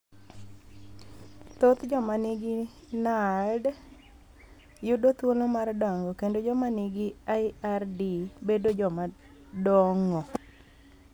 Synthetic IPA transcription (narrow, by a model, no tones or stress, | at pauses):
t̪ot̪d͡ʒɔmanɪɡi | nad | jʊdot̪wolomardɔŋɡɔkendod͡ʒɔmanɪɡiaiardibedod͡ʒɔma | dɔŋɔ